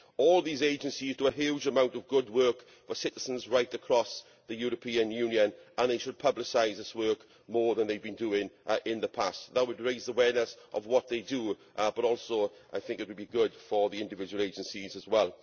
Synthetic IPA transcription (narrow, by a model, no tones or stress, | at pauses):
ɔːlˠðiːzeɪd͡ʒə̃nsiz̥tʰəəɦjud͡ʒəmãʊ̃ntəvɡʊd̚wɜˑ˞k | fəsɪtɪz̥ə̃nzɹaɪtəkʰɹ̥ɔs | ðəjuːɹəpʰĩə̃njʉːnjə̃nə̃nðeɪʃəd̚pʰʌblɪsaɪzðɪswɜˑ˞k | mɔːðə̃nðeɪvbĩnduɪ̃ŋʔɪ̃nðəpʰastðət̚wədɹeɪzðəwɛːnəsʔə̰vwɒt̪̚ðeɪdəʔb̥əɾɔˑlˠsoʊʔa̰ɪθɪ̃ŋkɪt̚wəd̚biɡʊd̥fəðiɪ̃ndɪvɪd͡ʒəwəlˠeɪd͡ʒə̃nsizəzwɛlˠ